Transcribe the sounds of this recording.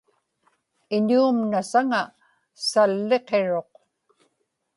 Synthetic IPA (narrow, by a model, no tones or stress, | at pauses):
ɪɲuːmnasaŋa | salːe̞qe̞ɻo̞q